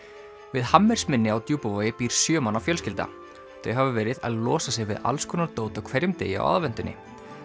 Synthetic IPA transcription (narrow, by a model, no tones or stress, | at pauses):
vɪðhamːɛɾ̥smɪnːɪawt̪juːpavɔjɪpiːɾ̥sjœːmanawfjœlscɪlt̪a̰ | θœɥɦavʏvɛːɾɪða̰ðlɔːsasjɛɣvɪ̰ða̰lskʰœnaɾt̪oːwt̪ɔkʰvɛɾjʏmt̪ḛːjɪa̰wa̰ðvɛnt̪ʏnːɪ̰